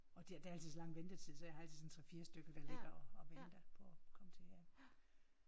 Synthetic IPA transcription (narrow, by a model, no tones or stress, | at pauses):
ɒ̽d̥iæd̥ææl̰t͡sʰiðˠsɒlɑ̈ŋʋend̥ət͡sʰið̰ˠsɒjɑhɑ̈æl̰t͡sʰið̩ˠsɒnt͡sʰʁɛfiːɐsd̥øɡ̥əʋ̥æled̥ɐɒɒʋend̥ɐpʰɒkʰɒ̽mət͡sʰe̝æ